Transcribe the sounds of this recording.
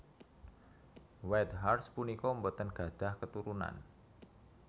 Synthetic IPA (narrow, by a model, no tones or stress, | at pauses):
wɛt̪ɦarspunikoəmbət̪ənɡ̥a̤d̪̥a̤hkət̪uɾuna̰n